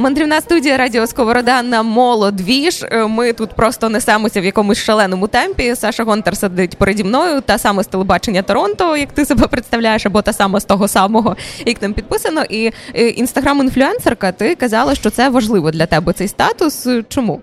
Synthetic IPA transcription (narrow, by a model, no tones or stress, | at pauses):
mɐnd̪ɾʲiwnɑst̪udʲijɐɾɑdʲiɔskɔʋɔɾɔd̪ɛnːɐmɔlˠɔd̪ʋʲiʂmɪt̪ut̪pɾɔst̪ɔnɛsɛmɔsʲɐwjɐkɔmʊsʲʃɐlˠɛnɔmʊt̪ɛmʲpʲisɛʂɐɦɔnt̪ɛrsed̪ɪtʲpɔɾedʲimnɔjʊt̪ɐsɑmɛst̪elˠebɑt͡ʃenʲːɐt̪ɔɾɔnt̪ɔjɐkt̪ɪsɔbɛpɾɪt̪st̪ɐwlʲajeʃɐbɔt̪ɑsɑmɐst̪ɔɦɔsɑmɔɦɔjɐknɪmpʲid̪̚pɪsɐnɔʔiʔinst̪ɐɦɾaminflʲʊɛnserkɐt̪ɪkɐzɑlˠɐʃt͡ʃɔt̪sɛʋɐʒlˠɪʋɔd̪lʲɐt̪ɛbɛt̪sɛjst̪ɑt̪ʊst͡ʃɔmu